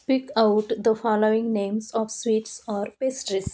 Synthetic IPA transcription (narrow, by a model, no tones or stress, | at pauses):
pikaʊʈd̪əfɔːloːɪ̃ŋnẽːmsɔːʋswiːʈsɔːɾpesʈɾis